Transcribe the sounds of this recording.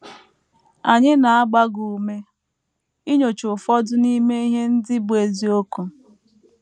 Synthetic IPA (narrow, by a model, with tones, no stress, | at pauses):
a˨ɲɪ˦na˨a˦ɡ͡ba˦ɡu˨me˦ | i˦ɲo˨t͡ʃʊ˨fɔ˦dʊ˦ni˦me˦i˦ɦe˦n̩˦dɪ˦bʊ˨e˨zi˨o˦ku˨